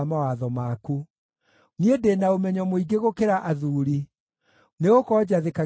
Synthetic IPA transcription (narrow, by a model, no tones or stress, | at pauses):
mawaðɔmaːku | niedenaomɛɲɔmoiɡeɣokeɾaʔaðuːɾi | neɣokɔd͡ʑaðeka